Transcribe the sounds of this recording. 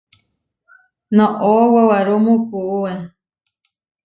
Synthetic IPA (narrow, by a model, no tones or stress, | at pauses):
nõʔowawaɾomũkuʔue